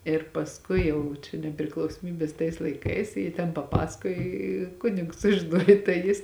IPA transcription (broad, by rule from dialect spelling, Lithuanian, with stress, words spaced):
ɪr pɐsˈkʊɪ ˈjɛʊ t͡ʃʲɛ nʲɛpʲrʲɪklˠɐʊsoːˈmʲiːbʲeːs tɐɪs lˠɐɪˈkɐɪs ˈjɪ tʲɛn pɐˈpɑːsɐkoːj ɪ ˈkʊnʲɪks sʊʒʲɪˈnuɔj tɐɪ ˈjɪs